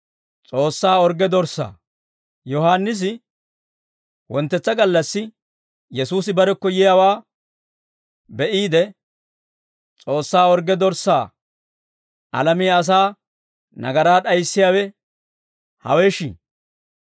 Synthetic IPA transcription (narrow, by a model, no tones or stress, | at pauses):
t͡sʼo̞ːsːaːɔɾɡɛd̪ɔɾsːa̰ː | jɔɦaːnːɪs̬ɪ | wɔnt̪ːɛt͡sːɐɡɐlːɐsːɪ | jɛsuːsɪbɐɾɛkːɔjɪjawaː | bɛʔiːd̪ɛ | t͡sʼo̞ːsːaːɔɾɡɛd̪ɔɾsːaː | ʔɐ̰lɐmiɐs̬aː | nɐ̰ɡɐɾaːɗɐjsːɪjaːwɛ | hɐ̰weʃɪ